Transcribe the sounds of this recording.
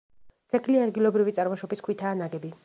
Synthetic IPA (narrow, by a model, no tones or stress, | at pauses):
t̪sʼɛkʰliad̪ɡilˠɔbɾivit̪sʼaɾmaʃɔbiskʰwit̪ʰaːnaɡɛbi